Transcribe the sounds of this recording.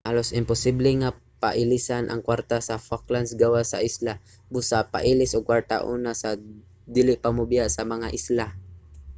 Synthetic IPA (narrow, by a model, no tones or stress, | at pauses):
halosɪmpʊsɪblɛŋa | paʔɪlisanʔa̰ŋkwaɾt̪asafak̚lansɡawasa̰ʔisla | bʊsapa̰ʔiːlɪsʔʊɡ̚kːwaɾt̪a̰ʔunasa | d̪ilɪʔpamʊbɪjaʔsɐmɐŋaʔɪsla